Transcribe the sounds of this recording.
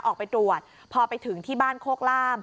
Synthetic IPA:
ʔɔː˨˩k̚pa˧jt̪ɾu˨˩ət̪̚ | pʰɔː˧pa˧jt̪ʰɯ˩˦ŋt̪ʰiː˥˩baː˥˩nkʰoː˥˩k̚laː˥˩m

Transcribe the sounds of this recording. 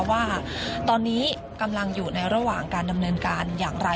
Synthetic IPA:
waː˥˩t̪ɔː˧nːiː˦˥ | ka˧mla˧ŋjuː˨˩na˧jɾa˧waː˨˩ŋkaː˧nda˧mnɤː˧nkaː˧njaː˨˩ŋɾa˧

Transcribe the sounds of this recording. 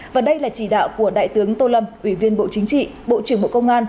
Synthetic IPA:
vaː˨˩ɗə˧jlaː˨˩t͡ɕi˧˩ɗa̰ː˧˨wku˧˩əɗa̰ː˧˨jt̪ɨ˨˦əŋt̪o˧lə˧mʔwi˧˩vi˧ənɓo̰˧˨t͡ɕï˨˦ŋ̟t͡ɕḭ˧˨ɓo̰˧˨t͡ɕɨ˧˩əŋɓo̰˧˨kə˧wŋ͡mʔaː˧n

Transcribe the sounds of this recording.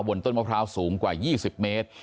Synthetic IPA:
wo˧nt̪o˥˩ma˧wpʰɾaː˦˥wsuː˩˦ŋkwaː˨˩jiː˥˩si˨˩p̚meː˦˥t̪̚

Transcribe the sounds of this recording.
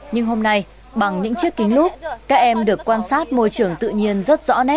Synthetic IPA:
ɲɨ˧ŋɦo˧mna˧j | ɓa˨˩ŋɲɨ̰˧˥ŋt͡ɕi˦˥əkːï˨˦ŋ̟lu˦˥t̚kaː˦˥k̚ʔɛ˧mɗɨ˨˩əkːwaː˧nsaː˦˥t̚mo˧jt͡ɕɨ˨˩əŋt̪ɨ̰˧˨ɲi˧ənzə˦˥t̚z̥ɔ̰˧˥nɛ˦˥t̚

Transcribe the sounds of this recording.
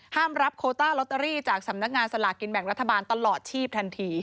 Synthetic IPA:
haː˥˩mɾa˦˥p̚kʰoː˧t̪aː˥˩lo˦˥t̪ːa˧ɾiː˥˩t͡ɕaː˨˩k̚sa˩˦mna˦˥k̚ŋaː˧nsa˧la̰˨˩ki˧nbɛ˨˩˦ŋɾa˦˥t̪ʰːa˧baː˧nt̪a˧lɔː˨˩t̪̚t͡ɕʰiː˥˩p̚t̪ʰa˧nt̪ʰiː˧

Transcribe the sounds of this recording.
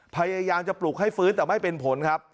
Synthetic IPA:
pʰa˧jaː˧jaː˧mt͡ɕa˨˩pluː˨˩k̚ha˥˩jfɯː˦˥nt̪ɛː˨˩ma˥˩jpe˧npʰo˩˦nkʰa˦˥p̚

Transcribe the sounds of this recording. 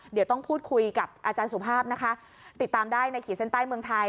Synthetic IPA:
di˨˩˦wt̪ɔ˥˩ŋpʰuː˥˩t̪̚kʰu˧jka˨˩p̚ʔaː˧t͡ɕaː˧nsu˨˩˦pʰaː˥˩p̚na˦˥kʰa˦˥ʔ | t̪i˨˩t̪ːaː˧mdaː˥˩jna˧jkʰiː˨˩se˥˩nt̪aː˥˩jmɯ˧əŋt̪ʰa˧j

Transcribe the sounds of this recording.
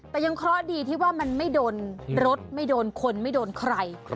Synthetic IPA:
t̪ɛː˨˧˩ja˧ŋkʰɾɔ˦˥diː˧t̪ʰiː˥˩waː˥˩ma˧nma˥˩jdoː˧nɾo˦˥t̪̚ma˥˩jdoː˧nkʰo˧nma˥˩jdoː˧nkʰɾa˧j

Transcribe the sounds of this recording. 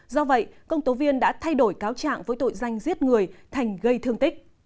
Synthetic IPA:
zɔ˧və̰˧˨jkə˧wŋ͡mt̪o˨˦vi˧ənɗa̰ː˧˥t̪ʰa˧jɗo˧˩jkaː˨˦wt͡ɕa̰ː˧˨ŋvo̰˧˦˥jt̪o̰˧˨jza˨˩jŋ̟zi˦˥ət̚ŋɨ˨˩əjt̪ʰa˨˩jŋ̟ɣə˧jt̪ʰɨ˧əŋt̪i˦˥k̟̚

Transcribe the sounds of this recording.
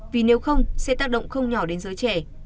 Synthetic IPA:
vi˨˩ne˨˦wxə˧wŋ͡msɛ̰˧˥t̪aː˦˥k̚ɗə̰˧˨wŋ͡mxə˧wŋ͡mɲɔ˧˩ɗe˨˦nzəː˨˦jt͡ɕɛ˧˩

